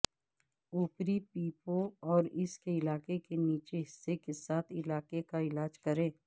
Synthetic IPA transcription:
uːpɾipiːpõɔːɾɪskeɪlaːkekeniːt͡ʃeɦɪsːekesaːt̪ʰɪlaːkekaɪlaːd͡ʒkɐɾẽː

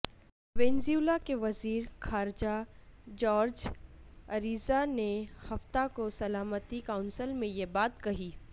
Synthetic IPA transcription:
ʋẽːnziuːlakeʋɐziːɾxaːɾd͡ʒad͡ʒɔːɾd͡ʒ | ɐɾiːzanehɐft̪akosɐlaːmət̪ikaʊ̃nsəlmẽjebaːt̪kɐɦiː

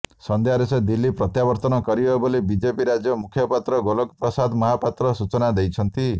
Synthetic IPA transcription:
sɔnd̪ʱjaɾesed̪ilːipɾɔt̪jabɔɾt̪ɔnɔkɔɾiɦɔebolibid͡ʒepiɾad͡ʒjɔmukʰjɔpat̪ɾɔɡolɔkpɾɔsad̪mɔɦapat̪ɾɔsut͡ʃɔnad̪ejt͡ʃʰɔnt̪i

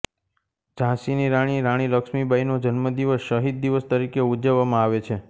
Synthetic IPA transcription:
d͡ʒãsiniɾaɽ̃iɾaɽ̃iləkʃmibainod͡ʒənməd̪iʋəsʃəɦid̪̚ːiʋəst̪əɾikeud͡ʒəʋːamãaʋet͡ʃʰe

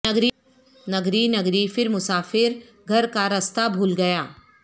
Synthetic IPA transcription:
ɐɡɾi | nɐɡɾinɐɡɾifɪɾmʊsaːfɪɾ | ɡʱɐɾkaɾɐst̪abʱuːlɡɐjaː

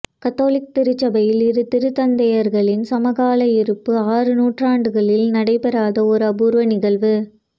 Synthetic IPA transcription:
kɐt̪ːoːlɪk̚t̪ɪɾɯt͡ʃːɐbɐjɪlɪɾɯt̪ɪɾɯt̪ɐnd̪ɐjɐɾɣɐɭɪnsɐmɐɣaːlɐɪɾɯpːɯaːrɯnuːʈraːɳɖɯɣɐɭɪlnɐɽɐɪpɛɾaːðɐɔɾɯɐbuːɾʋɐnɪɣɐɭʋɯ

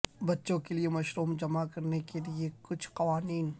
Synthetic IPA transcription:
bɐtːʃõkeliemɐʃɾuːmd͡ʒɐmakɐɾnekeliekʊt͡ʃʰqɐʋaːniːn

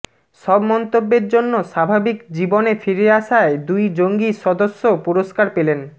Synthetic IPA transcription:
ʃɔbmɔnt̪obːeɾd͡ʑonːoʃabʱabikd͡ʑibonefiɾeaʃaed̪ujd͡ʑoŋɡiʃɔd̪oʃːopuɾoʃkaɾpelen

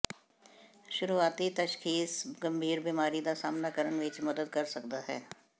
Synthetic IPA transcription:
ʃʊɾuaːt̪it̪ɐʃxiːsɡɐ̃mbʱiːɾbimaːɾid̪asaːmnakəɾəɳʋɪt͡ʃmɐd̪əd̪kɐɾsɐkd̪aɦɛː

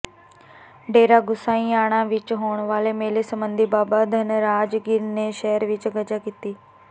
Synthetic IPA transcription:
ɖeːɾaːɡʊsãːĩːaːɽ̃ãːʋɪt͡ʃɦoːɳʋaːleːmeːleːsəmbənd̪iːbaːbaːd̪ʱənɾaːd͡ʒɡɪɾneːʃɛːəɾʋɪt͡ʃɡəd͡ʒaːkiːt̪iː

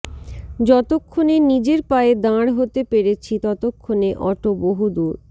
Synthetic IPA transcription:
d͡ʑɔt̪okʰːonenid͡ʑeɾpaed̪ãɽɦot̪epeɾet͡ɕʰit̪ɔt̪okʰːoneʔɔʈoboɦud̪uɾ

